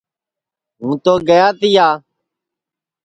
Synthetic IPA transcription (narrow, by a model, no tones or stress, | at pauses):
ɦũːt̪oːɡəjaːt̪ɪjaː